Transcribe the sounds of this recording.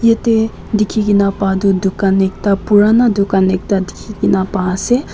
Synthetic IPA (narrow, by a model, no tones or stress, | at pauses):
jet̪e | d̪ikʰikinapad̪ud̪ukanek̚t̪apuɾanad̪ʊkanek̚t̪ad̪ikʰikinapaːse